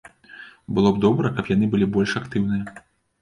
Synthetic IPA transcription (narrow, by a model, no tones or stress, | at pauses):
bɨlˠɔbd̪ɔbɾɐkɐpjan̪ɨbɨlʲibɔlʲʂakt̪ɨwnɨjɐ